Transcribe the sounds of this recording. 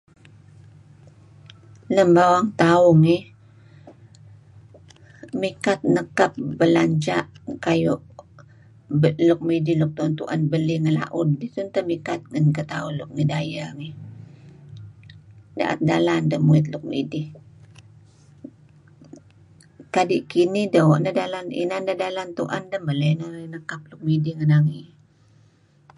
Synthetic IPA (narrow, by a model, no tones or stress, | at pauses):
ləmbawaŋt̪aʊŋi | mikat̪̚nəkap̚bəlaɲd͡ʒaʔkajuʔ | lʊk̚midilʊk̚t̪unt̪ṵʔa̰nbəliŋəla̰ʔʊdːit̪unt̪əmikat̪̚ɡənkat̪aulʊk̚ŋidajaŋih | da̰ʔa̰t̪̚dalandəhmuɪt̪̬lʊk̚midɪh | kadiʔkinihdəwɔʔnəhdalanḭnandədalant̪uʔa̰ndəhmbələnənəkap̚lʊk̚midihŋənaŋi